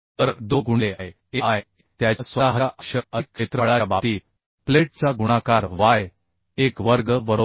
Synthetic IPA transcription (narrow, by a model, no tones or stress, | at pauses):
t̪əɾd̪oɡuɳleae | eaj | t̪jasʋəaɦəaʔəɕəəkɕet̪ɾəɭaabat̪iː | pleʈ̚t͡saɡuɽ̃akaɾʋaj | ekʋəɾɡəʋəɾo